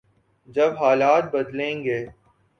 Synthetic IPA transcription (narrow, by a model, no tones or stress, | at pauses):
d͡ʒɐbɦaːlaːt̪̚bəd̪lẽːŋɡeː